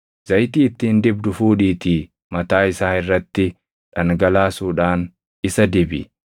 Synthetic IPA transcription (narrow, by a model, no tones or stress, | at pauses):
z̥ɐjt̪iːt̪ːiːnd̪ɪbd̪ʊfuːᶑiːt̪iː | mɐt̪aːɪsaːɪrːɐt̪ːɪ | ᶑɐŋɡɐlaːsuːᶑaːn | ɪsɐd̪ɪbɪ̰